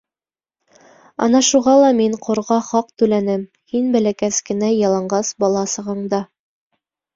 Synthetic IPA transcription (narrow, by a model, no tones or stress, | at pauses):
ɑ̰nɑʃuʁɑlˠɑmiɴqʰŏɾʁɑχɑq̚t̪ʉlænɘm | hinbælækæskɘ̆næjɑlˠɑɴɢɑsbɑlˠɑsɤ̆ʁɤ̆ɴd̪ɑ